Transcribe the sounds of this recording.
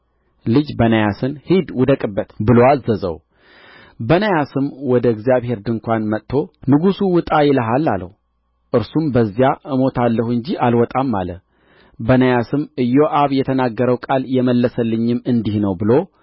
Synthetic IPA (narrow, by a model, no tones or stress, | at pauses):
lɨd͡ʒbənəjasɨnhid̪wʊd̪əkʼɨbːət̪bɨlo̞azəzə̰w | bənəjasɨmwɔd̪əɨɡzijaβhe̞ɾd̪ɨŋkʷanmət̪ʰːo̞nɨɡusuwɨt̪ʼajɪləɦalːalə̰hu | ʔɨɾsumbəzːjaʔɨmo̞t̪ʰalːəhuɨɲd͡ʒiʔalwɔt̪ʼamːa̰lə̰ | bənəjasɨmɨjːo̞ʔaβjɛt̪ʰənaɡːəɾəwkʼaljɛməlːəsəlːɨɲːɪmɨnd̪ihnəwbɨlo̞